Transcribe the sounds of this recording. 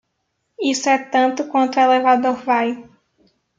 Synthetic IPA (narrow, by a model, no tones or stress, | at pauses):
isʊɛt̪ɐ̃nt̪ʊkwɐ̃nt̪ʊelevad̪oɾvaj